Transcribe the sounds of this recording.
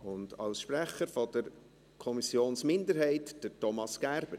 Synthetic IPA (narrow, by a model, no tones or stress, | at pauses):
ʊndɑ̰lsʃpræχəɾfɔdəɾ | kʰɔmisjoːnsmɪndəɾɦɛɪtd̥ətɔmɑsɡ̥æɾb̥əɾ